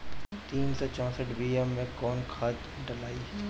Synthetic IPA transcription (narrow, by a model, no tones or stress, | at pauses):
t̪iːnsɔːt͡ʃɔ̃ːsəʈʰbiːɛmːẽkɔːnkʰaːt̪ | ɖəlaːiː